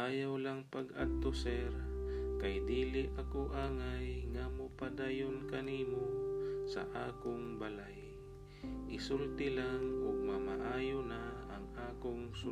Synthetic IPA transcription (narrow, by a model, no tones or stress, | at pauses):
ʔaːjawlaŋpɐɡa̰t̪osɛɾkajd̪iːlɪʔɐkoʔaːŋajŋamʊpad̪aːjonkɐniːmosɐ̰ʔaːkoŋbalaj | ʔɪsʊlt̪ɪlaŋʔʊɡ̚mama̰ʔaːjonaʔɐŋʔaːkoŋsʊ